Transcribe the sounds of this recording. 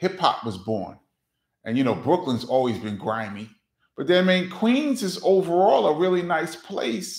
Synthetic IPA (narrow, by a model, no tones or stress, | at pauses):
hɪphɑ̰p̚wʌzbɔ̰ɹn | ʔɨ̃njɨnoʊbɹʊklə̃nzɔlˠwizbɨ̃nɡɹãɪ̃mi | b̥ʌt̪̚ðə˞mẽɪ̃nkʰw̥ĩnzɨzoʊvə˞ɔlˠəɹɪlˠinaɪspʰl̥ḛɪs